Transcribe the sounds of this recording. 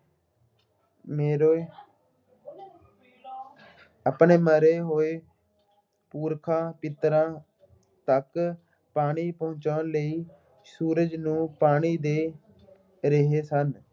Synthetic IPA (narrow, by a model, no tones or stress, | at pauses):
meːɾoː | əpɳeːməɾeːɦoːeː | puːɾkʰãːpɪt̪ɾãː | t̪ək | paːɽ̃iːpəɦʊ̃t͡ʃãːnləiː | suːɾəd͡ʒnũːpaːɽ̃iːd̪eː | ɾəɦeːsən